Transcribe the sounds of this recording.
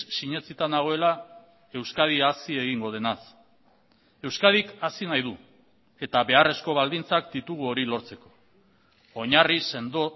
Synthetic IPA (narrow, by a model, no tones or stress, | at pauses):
siɲe̞t͡sit̪anaɣ̞o̞e̞la | e̞wskað̞iasie̞ɣ̞iŋɡo̞ð̞e̞nas | e̞wskaðikasinajðu | e̞t̪aβe̞are̞sko̞βald̪int͡sakd̪it̪uɣ̞uo̞ɾilo̞ɾt͡se̞ko̞̥ | oɲarisend̪